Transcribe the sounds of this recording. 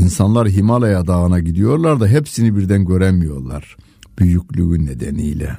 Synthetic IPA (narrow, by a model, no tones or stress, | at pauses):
insanlˠaɾɦimalˠajad̪aɣɯnaɟid̪ijo̞ɾlˠaɾd̪aɦepsinibiɾd̪ænɟø̞ɾɛmijo̞ɾlˠa̰ɾ̥ | b̥yjyclʲyynːed̪ɛnḭjlʲɛ̰